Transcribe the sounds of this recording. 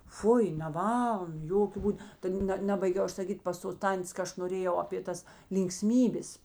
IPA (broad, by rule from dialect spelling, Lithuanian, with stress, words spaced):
ˈfʊɪ nʲɛˈʋɐlˠn ˈjoːkʲʊ ˈbuːt tɐ ˈnʲɛ ˈnʲæːbɐɪɡʲɛʊ ˈɐʃ sɐˈkʲiːtʲ pɐs toːs ˈtɐnʲtʲeːs kɐ ˈɐʃ noːˈrʲeːjɛʊ ɐpʲeː ˈtɐs lʲɪŋkˈsʲmʲiːbʲeːs